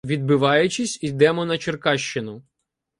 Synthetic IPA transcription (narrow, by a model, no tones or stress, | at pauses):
ʋʲid̪̚bɪʋɑjʊt͡ʃɪsʲid̪ɛmɔnɐt͡ʃerkɑʃt͡ʃɪnʊ